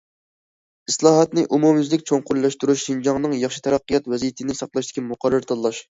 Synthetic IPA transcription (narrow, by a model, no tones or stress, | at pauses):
islˠɑːɦɑt̪nɪʔumumjzlɪkʲt͡ʃʰoŋqʊɾlˠɑʃt̪uɾuʃʃind͡ʒɑŋnɨŋjɑχʃi̥t̪ʰɛɾɑqːəjɑt̪wɛzijit̪ʰɪnɪsɑqlˠɑʃt̪ɪ̥kʲʰimʊqʰɑrːɨɾt̪ʰɑlːˠɑʃ